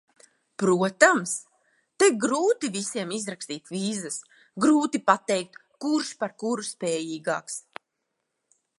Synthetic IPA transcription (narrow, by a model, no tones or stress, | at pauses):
pɾuɔt̪ams | t̪eɡɾuːt̪ivisiɛmizɾakst̪iːt̪viːzas | ɡɾuːt̪ipat̪ɛjk̚t̪ | kuɾʃpaɾkuɾuspɛːjiːɡa̰ːks